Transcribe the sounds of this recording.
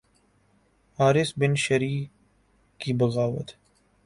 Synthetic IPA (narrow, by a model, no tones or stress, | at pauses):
aːɾɪsbɪnʃɐɾiːf | kibɐɣaːʋət̪